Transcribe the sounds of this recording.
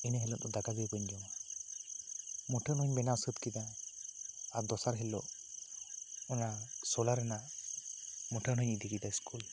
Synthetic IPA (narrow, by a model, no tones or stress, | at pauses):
inaɦɛlɔt̪ɔd̪aɡaɡibəɲd͡ʒɔŋa | muʈʰənɦɔɲbɛnasət̪kid̪a | aɾd̪ɔsaɾɦɛlɔʔ | ɔnasɔlaɾɛnaʔ | mɔʈʰənɦɔɲid̪ʱikid̪aiskʰul